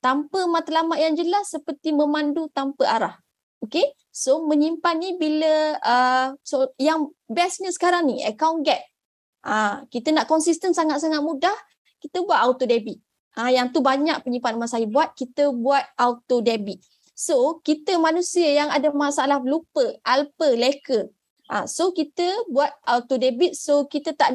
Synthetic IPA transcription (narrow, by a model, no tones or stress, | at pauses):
t̪ampəmat̪əlamaʔ̪̚jaŋd͡ʒəlasːəpərt̪iməmandut̪ampəʔaɾah | oke | somə̃ɲimpanibiləəsojaŋ | bɛsɲəsə̥kaɾaŋniə̰kawnɡɛt̪̚ | ʔakit̪ənaʔkɔnsist̪ənsaŋat̪̚saŋat̪̚mudah | kit̪əbuat̪̚awt̪odebit̪̚ | ajaŋt̪ubaɲak̚pəɲĩmpanumansajəbuat̪̚kit̪əbuat̪̚aut̪odebit̪̚ | sokit̪əmanusiəjaŋadamasalahlupəʔalpəlekə | ʔa̰sokit̪əbuat̪̚at̪odebit̪̚sokit̪ət̪aʔ